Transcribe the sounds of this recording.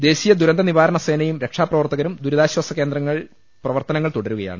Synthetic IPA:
d̪e̞ːɕijɐd̪uɾɐnd̪ɐniʋaːɾɐɳɐseːnɐjumɾe̞kʂaːprɐʋɐrt̪ɐɣɐɾumd̪uɾuðaːɕwɐsɐkːe̞ːnd̪rɐŋːɐɭ | prɐʋɐrt̪ɐnɐŋːɐɭt̪uɽɐɾuɣɐja̰ːɳɨ

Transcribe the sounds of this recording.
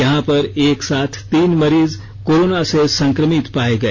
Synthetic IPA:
jɐɦãpɐɾeːksaːt̪ʰt̪iːnmɐɾiːz | koːɾoːnasesɐ̃ŋkɾəmɪt̪paːeɡɐeː

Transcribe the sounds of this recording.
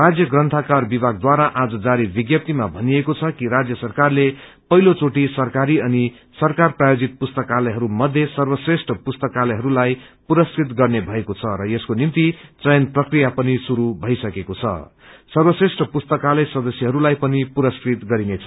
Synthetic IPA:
rad͡zjʌɡrʌnt̪ʰakarbibʱaɡ̚d̪waɾaʔad͡zʌd͡zaɾibiɡjʌp̚t̪imabʱʌniekot͡sʰʌkiɾad͡zjʌsʌrkarlepʌɦilot͡soʈisʌrkaɾiʌni | sʌrkarprajod͡zit̪̚pust̪ʌkalʌjɦʌɾumʌd̪ʱjʌsʌrbʌsresʈʰʌpust̪ʌkalʌjɦʌɾulajpuɾʌskrit̪ɡʌrnebʱʌekot͡sʰʌɾʌeskonimt̪it͡sʌjʌnprʌkrijapʌnisuɾubʱʌjsʌkekot͡sʰʌ̰ | sʌrwʌsresʈʌpust̪ʌkalʌjsʌd̪ʌsjʌɦʌɾulajpʌnipuɾʌskrit̪ɡʌɾinet͡sʰʌ̥

